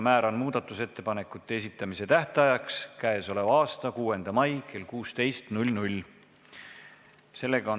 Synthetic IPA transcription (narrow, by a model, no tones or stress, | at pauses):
mæːɾonmuːd̪̥ɑt̪ːˑuse̞t̪ːe̞pɑne̞kːˑut̪ːe̞esit̪ˑːɑmiset̪æht̪ɑjɑkskæeso̞le̞vɑɑːst̪ɑkuːe̞nd̪̥ɑmɑjke̞lkuːst̪e̞jst̪nulʲnulʲ | se̞lːe̞ɡ̥ɑon